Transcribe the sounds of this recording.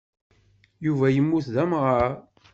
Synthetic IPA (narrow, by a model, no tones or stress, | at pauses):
juvæjəmːuθðæmʁa